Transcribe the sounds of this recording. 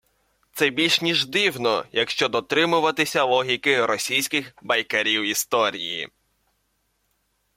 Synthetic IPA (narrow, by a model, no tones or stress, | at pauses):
t̪sɛbʲilʲʃnʲiʒd̪ɪwnɔjɐkʃt͡ʃɔd̪ɔt̪ɾɪmʊʋɐt̪ɪsʲɐlˠɔɦʲikɪɾɔsʲijsʲkɪxbɐjkɐɾʲiwist̪ɔɾʲḭjḭ